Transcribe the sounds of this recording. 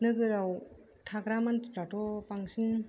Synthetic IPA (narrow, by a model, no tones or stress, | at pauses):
nɯɡɯɾaw | tʰakɾamantpɾatʰɔpaŋsin